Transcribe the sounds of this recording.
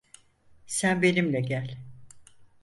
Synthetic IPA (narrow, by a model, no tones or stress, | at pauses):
sænbe̞nimlʲɛɟælʲ